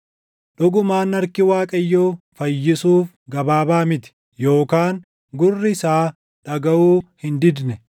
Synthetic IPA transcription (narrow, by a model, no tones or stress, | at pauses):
ᶑʊɡʊmaːnːɐɾkɪwaːkʼɐjːoːfɐjːɪsuːf | ɡɐbaːbaːmɪt̪ɪ̥ | jo̞ːkaːŋ | ɡʊrːɪsaː | ᶑɐɡɐʔuːhɪnd̪ɪd̪nɛ